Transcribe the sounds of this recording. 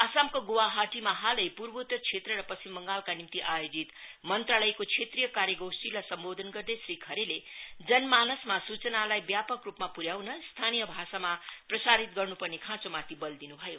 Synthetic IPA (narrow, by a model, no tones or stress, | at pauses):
asamkoɡowaɦaʈimaɦalʌjpurbot̪ːʌrt͡sʰet̪rʌɾʌpʌsimːʌŋɡalkanimt̪iʔajod͡zit̪mʌnt̪ralʌjkot͡sʰet̪rijʌkaɾjʌɡowsʈilajsʌmbod̪ʱʌnɡʌrd̪esrikʰʌɾeled͡zʌnmanʌsmasut͡sʌnalajbjapʌkrupmapuɾjawnʌst̪ʰanijʌbʱasamaprʌsaɾit̪̚ɡʌrnupʌrnekʰãt͡somat̪ʰibʌld̪inubʱʌjo